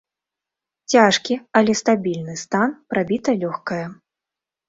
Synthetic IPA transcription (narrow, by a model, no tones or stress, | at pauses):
t͡sʲaʂkʲiɐlʲɛst̪abʲilʲnɨst̪anpɾabʲit̪ɐlʲɔxkɐjɐ